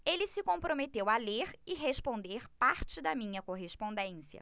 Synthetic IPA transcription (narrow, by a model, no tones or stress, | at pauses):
elɪsɪkõpɾomet̪ewaleɾɪɦeʃpõnd̪eɾpaɾt͡ʃɪd̪ɐmĩɲɐkoɦespõd̪ẽsiɐ̰